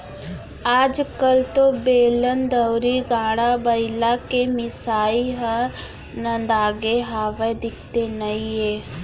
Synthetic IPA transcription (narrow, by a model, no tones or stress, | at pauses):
aːd͡ʒkəlt̪õbeːlənd̪əwɾiɡãːɽ̃abəɪlakemɪsaːiɦə̃ | nə̃nd̪aːɡeɦaːʋed̪ɪk̚t̪enəĩɦeː